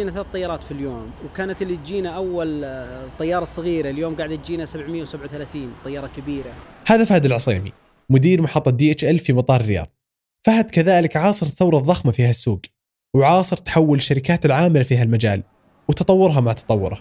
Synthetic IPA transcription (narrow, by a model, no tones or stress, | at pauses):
iːnaθalaːθt̪ːˤɑjːɑːɾˤɑːt̪filjoːmwkaːnat̪ɪlːit̪d͡ʒiːnaʔawːalt̪ˤːɑjːɑːɾˤɑsˤɑɣiːɾaljoːmɡaʕd̪ɪt̪d͡ʒiːnasabʕmɪjːawsabʕawθalaːθiːnt̪ˤɑjːɑɾˤɑkabiːɾahaːðafaːhd̪alʕɑsˤḭːmḭ | mʊd̪iːɾmaħɑt̪ˤːɑd̪iːʔɪt͡ʃʔalfimɑt̪ˤɑːɾˤɾɪjɑ̰ːðˤ | fahad̪kaðaːlɪkʕɑːsˤɨɾθawɾˤɑðˤːɑxmafiːhasːuːɡ | wʕɑːsˤɨɾt̪ḁħawːɪlɪʃːaɾɪkaːt̪ɪlʕaːmɪlafiːɦalmad͡ʒa̰ːl | wt̪ɑt̪ˤɑwːʊɾɦamaʕt̪ʰɑ̥t̪ˤɑwːʊ̰ɾˤa